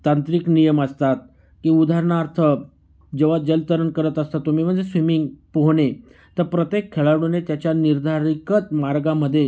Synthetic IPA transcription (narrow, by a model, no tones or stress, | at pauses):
t̪ant̪ɾiknijəməst̪at̪̚ | kiːud̪ʱaɾɳaɾt̪ʰə | d͡ʑeʋad͡ʑəlt̪əɾəɳkəɾət̪əst̪at̪ːum̤iːm̤əɳd͡zesʋimiŋɡpoɦɳe | t̪əɾpɾət̪jekʰːeɭaɾɽ̃unet̪jat͡ɕjaniɾd̪ʱaɾikət͡s̪maɾɡaməd̪ʱːje